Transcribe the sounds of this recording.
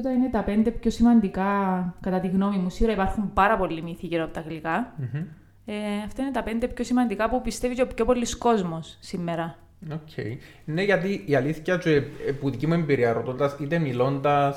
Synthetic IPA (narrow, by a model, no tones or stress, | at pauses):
t̪ɐine̞t̪ɐpe̞nd̪epço̞simɐnd̪ikɐkɐt̪ɐt̪iɣno̞mimusioɾɐipɐɾxumpɐɾɐpo̞lːimiθiʝiɾoɐpot̪ɐɣlikɐm̩ | eɐft̪ɐinet̪ɐpe̞nd̪epço̞simɐnd̪ikɐpupist̪eviceopço̞po̞lːisko̞zmo̞sːimːeɾɐ | ocʰḛj | neʝɐt̪iːɐliθçɐsueepuðicimue̞mbiɾiɐɾot̪ond̪ɐsit̪e̞milo̞nd̪ɐs